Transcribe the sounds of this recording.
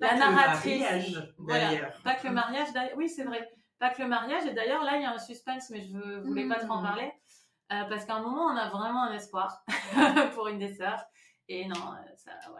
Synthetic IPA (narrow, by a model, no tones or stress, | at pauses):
lanaʁat̪χivalapakələmaʁjaʒd̪ajwisɛvʁɛ | pakələmaʁjaʒed̪ajœʁlailjaɛ̃syspɛ̃nsmɛʒəvøvulɛpat̪χoɑ̃paʁle | øpaʁsə̥kɛ̃mɔmɑ̃ɔ̃navʁɛmɑ̃ɛ̃nɛspwaʁ | puʁynd̪esœʁ | enɔ̃ø̰sa̰wɛ̰